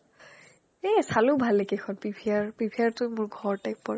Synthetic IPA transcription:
esalʊbʱalekexʰɔnpibʰʱiaɹpibʱiaɹtʊjmʊɹɡʱɔɹtak̚pɔɹɛ

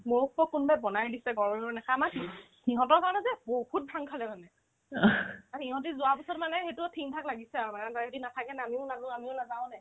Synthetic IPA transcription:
moɹuk̚pɔkːʊnbajbɔnajdisɛɡɔɹɛnɔnɛkamaki | hiɦɔ̃tɔɹkaɹɔnɛzɛboɦut̚bʱaŋkʰalɛmanɛ | ahĩɦɔ̃t̬izʊapisɔtmanɛxetutʰiŋtʰaklaɡisɛaɹmanɛtaetinatʰakɛnɛamiʊnazãamiʊnazãʊ̃nɛ

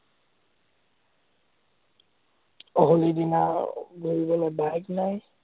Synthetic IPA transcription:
ɔɦolidina̰ɡʱuɹibɔlojbajknaj

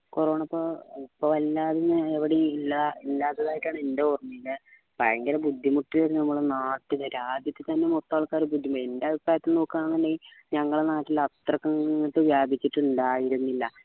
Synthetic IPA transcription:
kurɐʋɳɐpːoipːoʋɐlːaːðinːɨeʋiɽeilːailːaːt̪ːɐðaːjʈːaːɳɨendeurɐmːilɨ | pɐɻɐŋɡɐlebud̪ʱːimuʈːileːɾnɐmːɐɭnaːʈːɨðɐɾaːd̪jɐt̪ːet̪ɐnːe̞mot̪ːaːɭkːaːɾubud̪ʱːimendeɐbipraːjɐt̪ːilno̞ːkːaːɳnðɐndejilɲɐŋːɐɭenaːʈːilɐt̪rɐkːɐŋʈ̪ːɨʋjaːbʱit͡ɕːiʈːuɳɖaːjiɾunːilːɐ

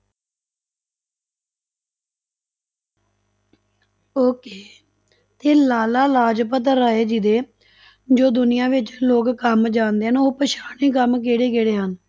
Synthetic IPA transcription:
oːkeː | t̪eːlaːlaːlaːd͡ʒpət̪̬ɾəːeːd͡ʒid̪eː | d͡ʒoːd̪ʊnɪjãːʋɪt͡ʃloːkkəmd͡ʒãːnd̪eːɦənoːpəʃaːɳiːkəmk̬eːɽeːkeːɽeːɦən

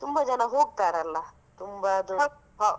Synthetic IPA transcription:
t̪umbad͡ʒanaɦoɡ̚t̪aɾalːa | t̪umbad̪ | ɦa

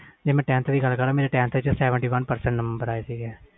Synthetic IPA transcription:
d͡ʒeːmɛ̃ːʈɛ̃ːnt̪d̪iːɡəlkəɾaːmeːɾeːʈɛ̃ːnt̪ʋɪt͡ʃɛsɛːʋə̃ɳʈiːʋənpəɾsɛ̃ɳʈnəməmbəɾaːeːsiːɡɛː

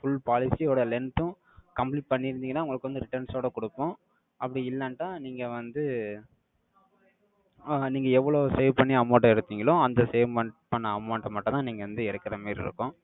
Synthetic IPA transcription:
fʊɭpaːlɪsioːɽɐlɛnt̪ʊ̃ | kɐmpliːʈ̚pɐɳːɪɾɯnd̪iːŋɡɐnːaːʊŋɡɐɭɯkːɯʋɐnd̪ɯɾɪʈɐɾnsoːɽɐkʊɽɯpːõː | ɐpːɐɽiɪlːɐɳʈːãːniːŋɡɐʋɐnd̪ɯ | niːŋɡɐɛʋːɐɭoːseːʋpɐɳːiɐmoːʈːɐ̃ɪɾɯt̪ːiːŋɡɐɭõɐnd̪ɐseːʋmɐɳʈpɐɳːɐːmɐːɳʈɐmɐʈːɐ̃t̪ãːniːŋɡɐʋɐnd̪ɯɪɽɯkːɪɾɐmeːɾɪ̰ɾɯ̰kːʊ̃ː

